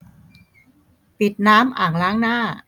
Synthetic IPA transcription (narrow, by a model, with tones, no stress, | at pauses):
pi˨˩t̪̚naː˦˥mʔaː˨˩ŋlaː˦˥ŋnaː˥˩